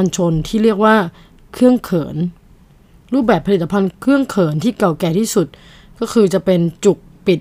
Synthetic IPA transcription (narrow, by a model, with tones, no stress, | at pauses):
a˧nt͡ɕʰo˧nt̪ʰiː˥˩ɾi˥˩ək̚waː˥˩ | kʰɯ˥˩əŋkʰɤː˩˦n | ɾuː˥˩p̚bɛː˨˩pʰa˧liː˨˩˧a˧pʰa˧nkʰɯ˥˩əŋkʰɤː˩˦nt̪ʰiː˥˩ka˨˩wkɛː˧t̪ʰiː˥˩su˨˩t̪̚ | kɔː˥˩kʰɯː˧t͡ɕa˨˩pe˧nt͡ɕu˨˩k̚pi˨˩t̪̚